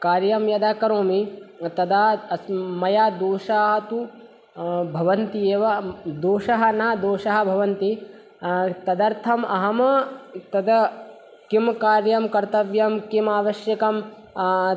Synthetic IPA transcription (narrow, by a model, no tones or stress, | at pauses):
kaːɾjɐmjɐd̪aːkɐɾoːmit̪ɐd̪aːɐsmɐjaːd̪oːʃaːɦɐt̪u | bʱɐʋɐnt̪ijeːʋɐd̪oːʃɐɦɐ̆naːd̪oːʃɐɦɐ̆bʱɐʋɐnt̪i | t̪ɐd̪ɐɾt̪ʰɐmɐɦɐmɐt̪ɐd̪ɐ | kimkaːɾjɐmkɐɾt̪ɐʋjɐmkimaːʋɐʃjɐkɐm